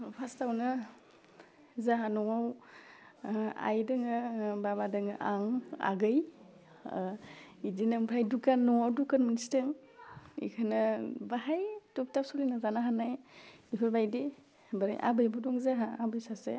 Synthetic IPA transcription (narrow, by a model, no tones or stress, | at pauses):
pʰastawna | zaɦanɔŋaw | a̰jdɯŋɯbabadɯŋɯʔaŋa̰ɡɯj | idinɯŋpʰɾajdukanːɔŋawdukanmənsitɯŋ | ḭkʰanɯbaɦajtɔp̚tap̚sɔlinazanaɦanajipʰɯɾbajde | baɾa̰jʔa̰bɯjbɔdɔŋzaɦaabɯjsasḛ